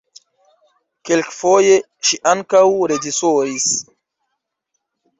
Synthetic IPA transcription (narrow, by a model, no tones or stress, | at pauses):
kelkfoje | ʃiʔaŋkawɾed͡ʒisoɾis